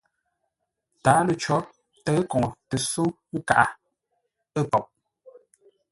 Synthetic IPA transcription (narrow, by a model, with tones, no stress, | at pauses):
taː˨˦lə˨t͡ʃɔ˨˦ | tə˦kɔ˨ŋ˨tə˨su˦ka̰˨ʔa˦ | ə˦pɔ˨p̚